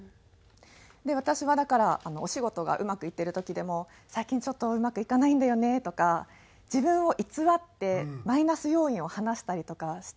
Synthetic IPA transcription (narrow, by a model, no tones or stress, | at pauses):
d̪e̞β̞at̪aɕiβad̪akaɾaːno̞oɕiɡo̞t̪o̞ɡa̰ʔɯ̟makɯ̟it̪ːe̞ɾɯ̟t̪o̞kʲid̪e̞mo̞ | saikʲĩɲt͡ɕo̞t̪ːo̞ɯ̟makɯ̟ikanaĩnd̪ajo̞ne̞t̪o̞ka | d͡ʑibɯ̟̃ɰ̃o̞ʔit͡sɨβat̪ːe̞mainasɨjo̞ːĩɰ̃o̞hanaɕi̥t̪aɾʲit̪o̞kaɕi̥